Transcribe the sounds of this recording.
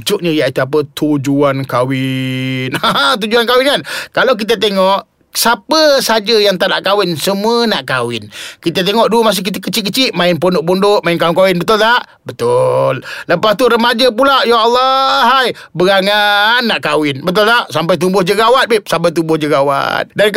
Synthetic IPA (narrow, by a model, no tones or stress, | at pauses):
t͡ʃʊʔɲəjaʔit̪uapət̪ʰud͡ʒuankawɪnat̪̬ud͡ʒuankawɪnŋankalawk̬it̪̬ət̪̬eŋɔʔ | sapəsad͡ʒəjaŋt̪anaʔkawɪnsəmuənaʔkawɪnkit̪ət̪eŋɔʔdumas̬ɪhkit̪əkət͡ʃiʔkət͡ʃɪʔmaɪnponʊʔpondʊʔmaɪnkawɪnkawɪnbət̪ʊlt̪aʔ | bət̪ʊlləpast̪uɾəmad͡ʒap̬ulaʔjaɑlːɑɦaj | bəɡaŋanːaʔkawɪnbət̪̬ʊlt̪aʔsampajt̪̬ubʊhd͡ʒəɡawat̪̚bɪsampajt̪̬ubʊhd͡ʒəɡawa̰t̪̚dan